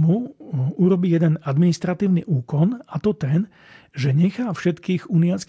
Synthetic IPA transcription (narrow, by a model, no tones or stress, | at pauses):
muuɾɔbijɛd̪ɛnad̪minist̪ɾat̪iːʊnḭʔuːkɔnat̪ɔt̪ɛn | ʒɛɲɛxaːfʃɛt̪kiːɣuːnijat͡sk